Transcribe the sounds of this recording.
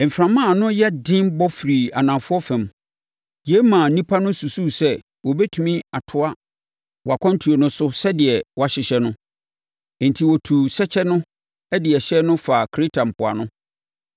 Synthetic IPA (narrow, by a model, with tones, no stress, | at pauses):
m̩˨fɾã˨mã˦˨nʊ̃˦jɛ˦dɪ̃˦mbɔ˦fɾi˨a˨nã˨fʊ˦ɔ˦fɛ̃˨m | je˦mã˨˦nĩ˦pʰa˦nʊ̃˦su˨su˦sɛ˦ | wɔ˨bɛ˦tʰu˨mĩ˦a˨tʰʊ˦a˦ | wa˨kʰɔ̃˦n˦tʰu˨o˨nʊ̃˦sʊ˦sɛ˦dɪ˨ɛ˨wa˨ɕɪ˨ɕɛ˦nʊ̃˦˨ | n̩˨tʰi˨wɔ˨tʰu˨sɛ˦t͡ɕʰɛ˦nʊ̃˦ | ɛ˦dɪ˨ɛ˨ɕɛ˦nʊ̃˦fa˨kʰɾi˦tʰa˨m̩˨pʰʊ˨a̰˨nʊ̃˦